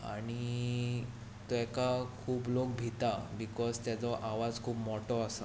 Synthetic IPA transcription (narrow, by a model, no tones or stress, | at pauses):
a̰ɽ̃i | t̪ɔɛkakʰuːblok̚bʱit̪abikɔzt̪jat͡sɔʔaʋad͡zkʰuːbmɔʈɔasa